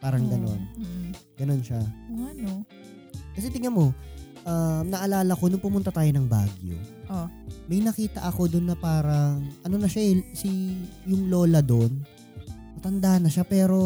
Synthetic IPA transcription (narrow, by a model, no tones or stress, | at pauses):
paːɾɐŋɡɐno̞̰n | ɡ̥ɐno̞nʃaano | kɐs̬ɛt̪ɪŋɐmo̞ | ʔɐmnɐʔɐlaːlɐko̞nʊŋpʊmʊnt̪ɐt̪aːjo̞nɐŋba̰ːɡjo̰ʔomɐjnɐkiːt̪ɐ̰ʔɐko̞d̪ʊnːɐpaːɾɐŋʔɐno̞nɐʃaʔɛsijʊŋloːlɐd̪o̞n | mɐt̪ɐnd̪ahɐnːɐʃapɛːɾo̞